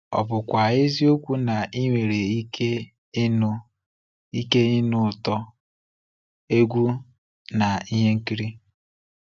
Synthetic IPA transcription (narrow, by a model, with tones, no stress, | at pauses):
ɔ̰˨pʊ˨kʷa˨e˦zi˦o˦kʷu˦na˨ʔi˦ŋʷe˨ɾe˨i˦ke˦ | nʊ˦ | i˦ke˦i˦nʊ˦˨tɔ˦ | e˦ɡʷu˦ | na˨i˦ɦe˦ŋ̩˦ki˦ɾi˦